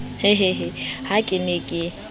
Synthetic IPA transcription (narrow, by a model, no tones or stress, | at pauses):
heɦeɦehakʼɪnekʼɪ